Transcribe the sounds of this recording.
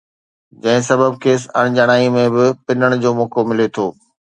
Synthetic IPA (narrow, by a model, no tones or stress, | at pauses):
d͡ʑɐ̃ɦɪ̃sɐbəb̚kʰeːs̬ɐ̰ɽ̃d͡ʑɐɽ̃aːimẽbɪpɪnəɽ̃d͡ʑoːmoːkomɪlet̪ʰoː